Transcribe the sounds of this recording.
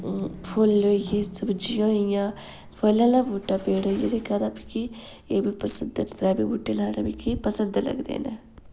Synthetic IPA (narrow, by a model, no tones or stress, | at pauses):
pʰʊlːoːijeːsəbd͡ʒɪjõːɪjãː | pəlãːlãːbuːʈːaːpeːɽoːijed̪ekaɾaːpi̥ki | eːbiːpəsənd̪ɾt̪ɾaːbiːbuːʈːelaːɽa̰ːbiːkipəsənd̪lə̰ɡd̪ḛːneː